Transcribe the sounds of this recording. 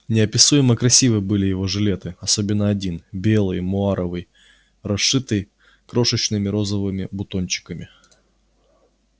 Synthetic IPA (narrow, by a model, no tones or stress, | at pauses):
nʲɪɐpʲɪsujɪməkɾɐsʲivɨbɨlʲɪjɪvo̞ʐɨlʲe̞t̪ɨɐso̞bʲɪnːəɐdʲinbʲe̞lˠɨjmʊaɾəvɨj | rɐʂɨt̪ɨj | kɾo̞ʂɨt͡ɕnɨmʲɪɾo̞zəvɨmʲɪbʊt̪onʲt͡ɕɪ̥kəmʲɪ